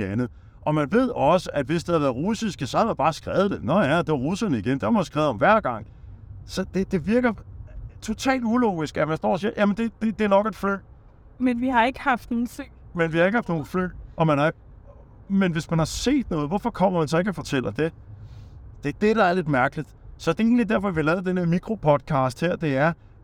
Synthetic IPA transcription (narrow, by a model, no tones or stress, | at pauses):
ænð̩ˠ | ʔɒ̽mænʋe̝ð̞̰ˠɒ̽səʔæd̥ʋe̝sd̥e̝hɑʋæːɐð̩ˠʁusisæsɒhæʋæb̥ɑ̈ːsɡ̥ʁɛːʊð̩ˠd̥enɒjæd̥e̝ʋɐʁusɐnəiɡ̥end̥eɐmɑsɡ̥ʁɛːʊð̩ˠɒmʋæɐ̰ɡ̥ɑ̈ŋ̰ | sɒ̽d̥e̝d̥e̝ʋiɐɡ̥ɐt͡sʰo̝t͡sʰɛ̰ːld̥ulɔːɡisɡ̥æʋæsd̥ɒ̰ːsiɐjʔæmənd̥e̝d̥e̝d̥e̝nɒ̽ɡ̥d̥fø̰ː | menʋihɑ̈e̝ɡ̥əhɑfd̥noːn̩seŋ̰menʋihɑ̈e̝ɡ̥hɑ̈fd̥no̝ːl̩ˠfø̰ːɒ̽mænhɑ̈eɡ̥̚ | menʋe̝smænhɑ̈se̝̰ːd̥nɔ̽ːð̞̩ˠʋɒfɒkʰɒ̽m̰ɐʋænsɒ̽e̝ɡ̥ɒfɒ̽t͡sʰel̰ɐd̥e̝ | d̥e̝d̥ed̥ææɐle̝d̥mæɐɡ̥əlid̥sɒ̽d̥e̝e̝ːnlid̥æɐ̰fɒ̽ʋiɑlɛːð̩ˠd̥enmiɡ̥ʁo̝pʰɒ̽d̥̚kʰɑ̈ːsd̥heɐ̰d̥e̝æɐ